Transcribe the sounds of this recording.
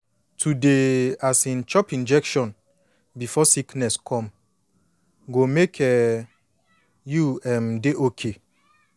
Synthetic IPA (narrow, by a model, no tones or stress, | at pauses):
tʰudeasĩnt͡ʃɔpĩnd͡ʒɛkʃɔ̃n | bifɔsiknɛskʰɔ̃m | ɡomekʰɛ | juɛ̃mdeʔokʰe